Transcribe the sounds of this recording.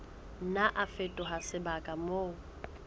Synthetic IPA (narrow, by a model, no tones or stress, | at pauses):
n̩naʔafetʼʊɦasɪbakʼamoː